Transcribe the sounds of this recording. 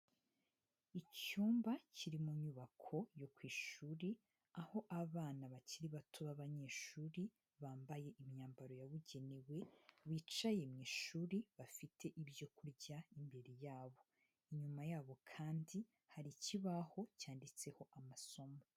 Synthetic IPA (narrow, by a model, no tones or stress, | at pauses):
icuːmbaciɾimuɲuβakʰo̞jo̞kwiːʃuːɾi | aho̞ʔaβaːnaβaciɾiβatʰuβaβaɲe̞ːʃuːɾi | βaːmbaje̞ʔimɲaːmbaɾo̞jaβuɟe̞niwe̞βiːt͡ʃaje̞mŋiːʃuːɾiβafitʰe̞ʔibjo̞kuɾɟaimbe̞ɾejaːβo̞ | iɲumajaːβo̞kʰaːndi | haɾiciβaho̞caːndit͡se̞ho̞ʔamaso̞mo